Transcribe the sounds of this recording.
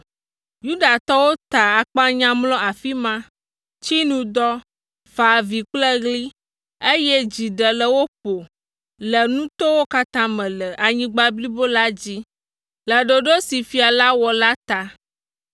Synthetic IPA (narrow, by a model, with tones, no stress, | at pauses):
ju˦ɖa˨t̪ɔ˦wo˦t̪a˨a˨k͡pa˦ɲã˦mlɔ̃˦a˨fi˦mã˦ | t͡ɕi˦nũ˦d̪ɔ˦ | fa˨vi˨k͡plə˦ɡli˦ | e˦jɛ˦d͡ʑi˨ɖə˨lə˨wo˦po˨ | lə˨nũ˦t̪o˦wo˦ka˦t̪ã˦mɛ̃˨lə˨ʔa˨ɲĩ˦ɡ͡ba˦bli˦bo˦la˦d͡ʑi˦ | lə˨ɖo˨ɖo˦si˨fi˨a˨la˦wɔ˨la˦t̪a˨